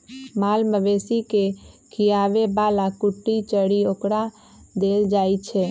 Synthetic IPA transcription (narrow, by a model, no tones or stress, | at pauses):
maːlməʋeːsikekʰijaːʋebaːlakʊʈːit͡ʃəɽioːkɽa | d̪eːld͡ʒaːit͡ʃʰe